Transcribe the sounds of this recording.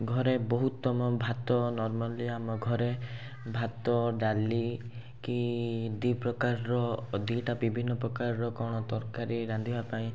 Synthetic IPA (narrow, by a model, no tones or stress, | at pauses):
ɡʱɔɾebɔɦut̪ːɔmɔbʱat̪ɔnɔɾmɔliamɔɡʱɔɾe | bʱat̪ɔɖali | kid̪ipɾɔkaɾːɔd̪iʈabibʱinːɔpɾɔkaɾːɔkɔɽ̃ɔt̪ɔɾkaɾiɾãnd̪ʱibapaĩ